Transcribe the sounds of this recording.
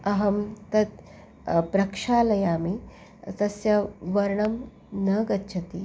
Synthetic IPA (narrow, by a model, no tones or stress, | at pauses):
ɐɦɐmt̪ɐt̪̚ | pɾɐkʂaːlɐjaːmi | t̪ɐsjɐʋɐɾɳɐm | nɐɡɐt̪ːt͡ʃʰɐt̪i